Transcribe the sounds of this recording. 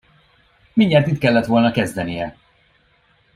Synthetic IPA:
miɲːɛrt̪it̪kɛlːɛt̪ʋo̞lnɒkɛzd̪ɛnijɛ

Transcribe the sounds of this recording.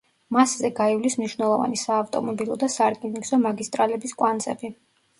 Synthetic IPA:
maszɛɡaivlismniʃwnɛlˠɔva̰nisaːft̪ʼɔ̰mɔbilˠɔd̪asaɾkʼiniɡzɔmaɡist̪ʼɾalɛbiskʼwant̪sʰʼɛbi

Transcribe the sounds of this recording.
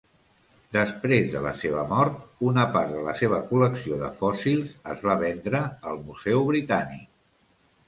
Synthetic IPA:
d̪əspɾezðələ̰seβ̞əmɔɾt̪unəpaɾðələ̰seβ̞əkuləksioðəfɔsilˠzəzβaβ̞ɛnd̪ɾəəlˠmuzɛwβɾit̪anik̚

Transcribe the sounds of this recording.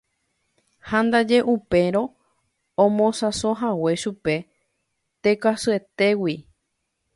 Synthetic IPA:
hãnd̪ad͡ʒe̞ʔupe̞ɾõ̞ | õmõsasoɦawe̞ʃupe̞ | t̪e̞kasɨe̞t̪e̞wi

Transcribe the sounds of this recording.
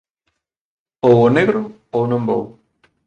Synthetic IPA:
owoneɣɾʊ | ownõmbo̰w

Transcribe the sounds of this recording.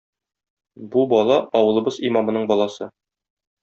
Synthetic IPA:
bubɒlˠɑɒwɤ̆lˠɤ̆bɤzimɑmɤ̆nɤɴbɒlˠɑsɤ

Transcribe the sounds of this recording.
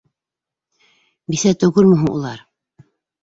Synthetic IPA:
biθæt̪ɵ̆ɣɵɾmɵ̆ɦɤŋṵlˠɑɾ

